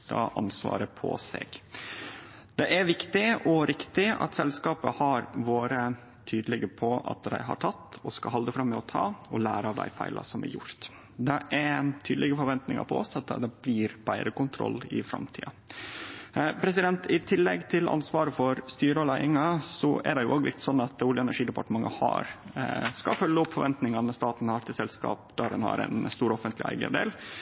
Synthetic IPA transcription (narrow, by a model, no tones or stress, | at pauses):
d̪ɑ̰ʔɑ̰nsʋɑ̰ːɾəpʰɔ̰sḛːɡ̥ | d̪̥ɛʔæɾʋɪkt̪ɪɔɾɪkt̪ɪɑ̰t̪sɛlskɑːpəhɑɾʋoːɾə | t̪ʰyːd̪əlɪɡəpʰɔɑ̰t̪d̪æ̰ɪɦɑ̰ɾʈ̪ʰɑt̪ːɔskɑɦɑld̪əfɾɑmːɛɔt̪ʰɑ̰ːɔlæ̰ːɾɑʋd̪æ̰ɪfæɪlʔɑ̰sɔmæ̰ɾjʊ̰ɾt̪ | d̪ɛʔæɾt̪ʰyːd̪əlɪɡəfɔɾʋɛnt̪nɪŋɑ̰pʰɔɔsɑt̪̚d̪ɛd̪ɛbliːɾbæɪɾəkʊnt̪ʰɾɔ̰lːɪ̰fɾɑ̰mt̪ʰḭːɑ | pʰɾɛs̬ɪd̪ɛnt̪ɪt̪ʰɪlːɛɡt̪ʰɪlɑ̰nsʋɑːɾəfɔɾst̪yːɾəɔlæɪɪŋɑsɔʔæɾdɛjʊoːɡlɪ̰t̪sɔnːɑt̪oːljəɛnæʂiːd̪əpɑʈəmɑŋːəhɑ̰ɾskɑfœlːəɔpfɔɾʋɛnt̪nɪŋɑmɛst̪ɑːt̪n̩ɑɾt̪ɪsɛlskɑ̰ːp̚d̪æɾɛnhɑ̰ɾɛ̰nst̪uːɾɔfənt̪lɪæ̰ɪɡə̰d̪ḛːl